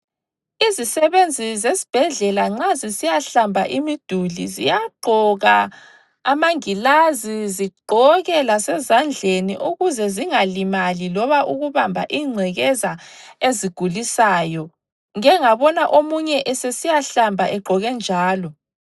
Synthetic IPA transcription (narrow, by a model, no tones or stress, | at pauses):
izisɛβend͡zʱizesi̥b̥ʱɛɮɛlaŋ͡ǁazisijaɬambʱaʔimid̥ʱulḭzḭjaɡ͡ǃʱɔɣa | amaŋilaziziɡ͡ǃʱɔɣɛlasɛzand͡ɮʱenḭʔuɣuzɛziŋalimalilɔβaʔuɣuβambʱa̰ʔiŋ͡ǀʱɛɣɛzaeziɡ̥ʱulisaːjɔ | ŋɛŋaβɔnaʔomuɲɛʔɛsesijaɬambʱaʔɛɡ͡ǃʱɔɣɛnd͡ʒʱaːlɔ